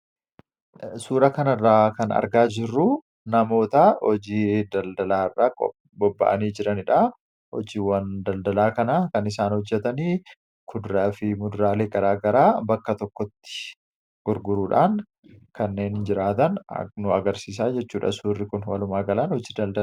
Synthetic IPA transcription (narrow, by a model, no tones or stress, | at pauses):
suːɾɐkɐnɐrːaːkɐnɐ̰ɾɡaːd͡ʒɪrːu | nɐmo̞ːt̪ɐhɔd͡ʒiːd̪ɐld̪ɐlaːɪrːaːkɔ | bɔbːɐ̰ʔɐniːd͡ʒɪɾɐnɪᶑa | hɔ̰d͡ʒiːwɐnd̪ɐld̪ɐlaːkɐnakɐnɪs̬aːnhɔd͡ʒːɛt̪ɐniː | kʰʊd̪ɾaːfɪmʊd̪ʊɾaːleːɡɐɾaːɡɐɾaːbɐkːɐt̪ɔkːɔt̪ːɪ̥ | ɡ̥ʊɾɡʊɾuːᶑaːn | kɐnːe̞ːnd͡ʒɪɾaːt̪ɐn̰nʊɐɡɐɾsiːs̬aːd͡ʒɛt͡ʃːuːᶑɐ̰suːrːɪkʊnwɐlʊmaːɡɐlɐnhɔd͡ʒiːd̪ɐld̪ɐ